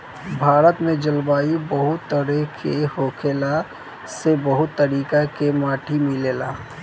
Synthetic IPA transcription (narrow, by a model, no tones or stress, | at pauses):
bʱaːɾət̪mẽd͡ʒəlbaːibəɦʊt̪ːəɾɛkʰehoːkʰeːla | sebəɦʊt̪ːəɾiːkakemaːʈʰimileːla̰ː